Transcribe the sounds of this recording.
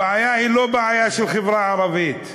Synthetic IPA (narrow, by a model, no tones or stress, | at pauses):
ʕajahilobaʕajaʃelχevɾaʕaɾˤɑvit̪